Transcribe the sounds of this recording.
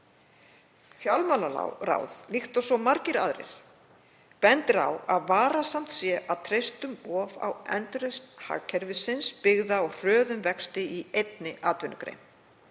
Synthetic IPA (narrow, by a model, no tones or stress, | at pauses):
fjawlmalala̰ɾa̰wðlixt̪ɔsɔmaɾcɪɾaðɾɪ̰ɾ̥ | pɛnt̪ɪɾa̰waðvaːɾasam̥t̪sjɛʔawt̪ʰɾejst̪ʏmɔːva̰wɛ̰nt̪ɾɛst̪ha̰kʰɛɾvɪsɪnspɪɣðaawr̥œːðʏmvɛkst̪ɪiejt̪nɪʔaːt̪vʏnːʏkɾḛjm